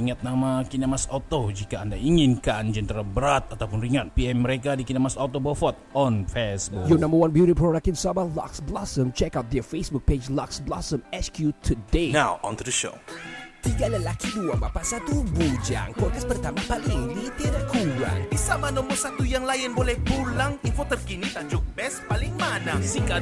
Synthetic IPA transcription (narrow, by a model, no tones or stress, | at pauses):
iŋat̪̚namakinamasɔt̪od͡ʒikaːndaiŋɪnkand͡ʒənt̪əɾabəɾat̪̚at̪awpʊnriŋat̪̚piɛmːəɾekadikinamasat̪obəfɔt̪̚ɔnfɛsbʊkjunãmbəwãnbjuɾipɾoɾak̚tɪnsabala̰ksblasəmt͡ʃɛkawt̪̚d̪ɛfesbuk̚ped͡ʒlaksblasəmɛskjut̪ʰudenawɔ̰̃nt̪dəʃo̰t̪iɡaləlakiduabapaʔsat̪ubud͡ʒa̰ŋpɔd̚kaspərt̪amapalɪŋlit̪iɾakuɾa̰ŋbisamanɔmɔsat̪ujaŋlajɪnbolɛhpulaŋinfot̪ərkinit̪ad͡ʒʊk̚bɛspalɪŋmanasiŋka